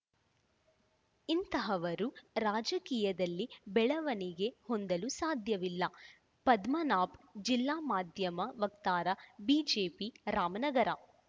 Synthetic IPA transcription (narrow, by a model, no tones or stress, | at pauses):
int̪ɐɦɐʋɐɾuɾaːd͡ʒɐkiːjɐd̪ɐlːibɛɭɐʋɐniɡe̞hond̪ɐlusaːd̪ʱjɐʋilːɐ | pɐd̪mɐnaːpd͡ʒilːaːmaːd̪ʱjɐmɐʋɐk̚t̪aːɾɐbiːd͡ʒeːpiɾaːmɐnɐɡɐɾɐ